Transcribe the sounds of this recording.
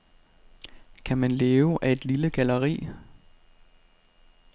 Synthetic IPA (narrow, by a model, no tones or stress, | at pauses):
kʰæmænleːʊʔæe̝d̥liləɡ̥æləʁḭː